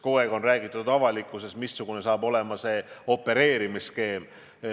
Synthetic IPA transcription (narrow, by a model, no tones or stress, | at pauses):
ko̞e̞ɡo̞nræːɡ̥it̪ːˑud̪ɑvɑlikːˑuse̞smisːuɡ̥une̞sɑːbo̞le̞mɑse̞o̞pːe̞ɾe̞ːɾimiske̞ːm